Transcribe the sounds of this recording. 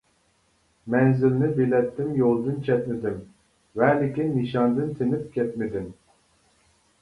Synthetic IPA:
mɛnzɪlnɪbelɛt̪ːɪmjolˠd̪ɨnt͡ʃʰɛt̪̚mɪd̪ɪm | vɛlɪkʲinːɨʃɑnd̪ɨnt̪ʰenɪp̚kʲɛt̪̚mɪd̪ɪm

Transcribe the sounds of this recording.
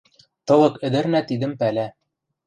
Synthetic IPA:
t̪ɤ̆lˠɤkɘ̆d̪ɘ̆ɾnæt̪id̪ɘmpælæ

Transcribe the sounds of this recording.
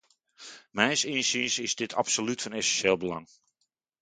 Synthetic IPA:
mɛjnsinsinsɪzdɪtʰa̰psolytfɔnɛsɛnʃeːlˠbəlɑ̰ŋ

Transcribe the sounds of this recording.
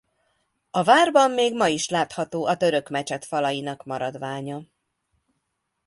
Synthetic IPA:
ɒvaːrbɒmːeːɡmɒiʃlaːt̪hɒt̪oːʔɒt̪ø̞ɾø̞kmɛt͡ʃɛt̪fɒlɒjinɒkmɒɾɒd̪ʋaːɲɒ

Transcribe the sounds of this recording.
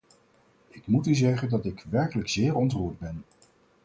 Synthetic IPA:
ɪkmutyzɛχəndɑtɪkʋɛɹkələkz̥ɪːɹɔntruːɹd̚bɛn

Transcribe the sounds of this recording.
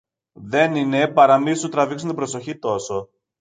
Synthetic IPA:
ðe̞ninepɐɾɐmisot̪ɾɐviksunt̪ibɾo̞so̞çit̪o̞so̞

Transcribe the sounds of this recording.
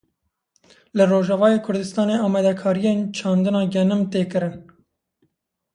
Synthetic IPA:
lɨroːʒɛvɑːjeːkʰʊɾd̪ɨst̪ɑːneːɑːmɛd̪ɛkʰɑːɾijeːnt͡ʃʰɑːnd̪ɨnɑːɡɛnɨmt̪eːkɨɾɨn

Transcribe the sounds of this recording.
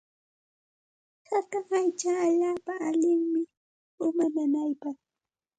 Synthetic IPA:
hakaŋajt͡ʃaːʎaːpaʔːʎɪŋmɪ | ʊmananajpɑχ

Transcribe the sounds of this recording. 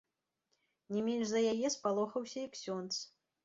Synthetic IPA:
nʲɛmʲɛnʂzɐjajɛspalˠɔxɐwsʲɐjɐksʲɔnt̪s

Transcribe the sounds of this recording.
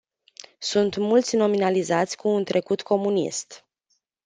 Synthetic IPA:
sunt̪mult̪sʲno̞minalizat̪sʲkuːnt̪ɾʔe̞kut̪kʰo̞munḭst̪

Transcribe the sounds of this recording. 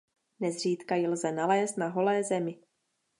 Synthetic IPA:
nɛzr̝iːt̪kajɪlzɛnalɛːst̪̚naɦo̞lɛːzɛmɪ

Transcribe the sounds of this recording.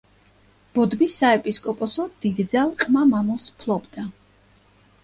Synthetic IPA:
b̥ɔd̪bisːaɛpʼiskʼɔpʼɔsɔd̪̥id̪d̪zalˠqʼmamamɔspʰlˠɔbd̪a

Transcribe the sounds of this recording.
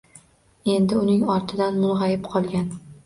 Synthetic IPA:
e̞nd̪ɪʊnɪŋɒɾt̪ʰɪd̪anmʊlˠʁajɪpqʰɒlˠɡʲan

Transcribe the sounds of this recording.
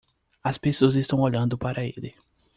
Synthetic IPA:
ɐspesoɐzɪst̪ɐ̃w̃oʎɐ̃nd̪ʊpaɾɐḛlɪ

